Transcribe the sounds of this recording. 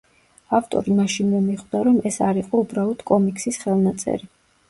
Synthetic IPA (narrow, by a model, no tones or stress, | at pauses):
aft̪ʼɔ̰ɾimaʃinmɔmiχd̪aɾɔmɛsaɾiqʼɔubɾaɔd̪̥kʼɔmikʼsisχɛlˠnat̪sʼɛ̰ɾi